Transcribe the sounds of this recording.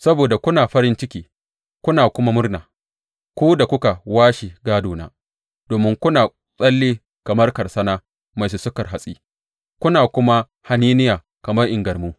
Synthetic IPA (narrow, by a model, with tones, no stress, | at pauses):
sɐ˦boː˨da˨kʷʊ˦naː˨ɸɐ˦ɾɪ˦nt͡ʃɪ˦kʲiː˦ | kʷʊ˦naː˨kʷʊ˦ma˦mʊ˦rnaː˨ | kʷuː˦da˨kʷʊ˦ka˨waː˦ʃi˨ɡaː˦doː˨na̰ː˨˦ | d̥oː˨mɪ˦ŋkʷʊ˦naː˨ | sʼɐ˦lːiː˦ | kɐ˨mɐ˦rkɐ˨rsɐ˦naː˦ | ma˨s̬u˨sʊ˦kɐ˨rɦa˨sʼiː˦ | kʷʊ˦naː˨kʷʊ˦ma˦ | ha˨niː˦nɪ˦jaː˨ | kɐ˨mɐ˦rʔɪ˨ŋɡɐ˨rmuː˦